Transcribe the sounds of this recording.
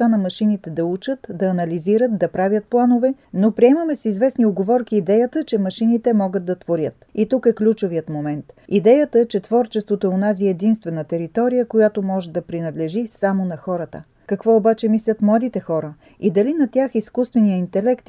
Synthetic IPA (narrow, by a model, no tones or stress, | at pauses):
t̪anɐmɐʃinit̪ɛd̪ɐut͡ʃət̪d̪ɐːnɐliziɾət̪̚d̪ɐpɾavʲjət̪̚plˠanovɛ | nopɾiɛməmɛsizvɛsnioɡovɔɾkiːd̪ɛjət̪ət͡ʃɛmɐʃinit̪ɛmɔɡət̪̚d̪ɐt̪voɾʲət̪it̪ukɛklʲut͡ʃovijət̪momɛnt̪id̪ɛjət̪ət͡ʃɛt̪vɔɾt͡ʃɛst̪vot̪oɛonaziɛːd̪inst̪vɛnət̪ɛɾit̪ɔɾijəkojat̪omɔʒɛd̪ɐpɾinɐd̪lɛʒisamonɐxɔɾət̪ə̰ | kɐkvɔobat͡ʃɛmislʲət̪mlˠad̪it̪ɛxɔɾə | id̪ɐlinɐt̪ʲjaxiskust̪vɛnijəint̪ɛlɛkt̪